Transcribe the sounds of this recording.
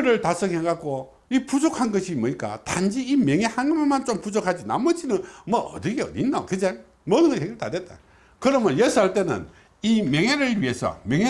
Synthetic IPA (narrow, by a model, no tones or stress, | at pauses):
ɾɯɭtasʰʌŋɦeŋɡako | ipud͡ʑokʰanɡʌɕʰimʌɲik͈a̰tand͡ʑiimjeŋehaŋɡɯmemant͡ɕompud͡ʑokʰad͡ʑina̰mʌd͡ʑinɯnmʌʔʌ̰dɯɡeʌ̰dinːakɯd͡ʑe | mʌnɯnɡʌɦeɡiɭta̰dwet̚t͈a̰ | kɯɾʌmjʌnjesʰaɭt͈enɯ̰n | imjeŋeɾɯɭɥiɦe̞sʰʌ̰mjeŋe